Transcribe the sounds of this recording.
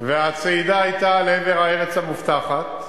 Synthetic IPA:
veat͡seid̪aːjt̪aleveʁaeʁet͡shamuft̪aχat̪̚

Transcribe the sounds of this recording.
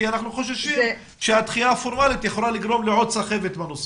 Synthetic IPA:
anaχnuχoʃ̬aʃi | ʃehat̪χijafoɾmalit̪jaχolalɪɡɾomleʕod̪saχevet̪banus

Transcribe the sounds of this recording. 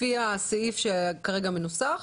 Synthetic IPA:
iaseifʃekaʁeɡamenusaχ

